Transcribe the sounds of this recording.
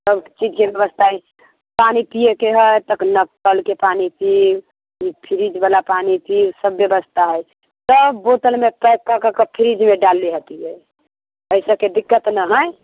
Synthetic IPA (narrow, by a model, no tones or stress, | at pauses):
səbt͡ʃid͡ʒkebjəbəst̪ʰaɦɛ | panipijekeɦəjt̪əknəkkəlkepanipiw | ipʰiɾid͡ʒbalapanipiwsəbːjəbəst̪ʰaɦəj | səbot̪əlmepɛkːakəkəpʰiɾid͡ʒmeɖalːiɦət̪iɦɛ | əɪsəked̪ikːət̪nəɦəɪ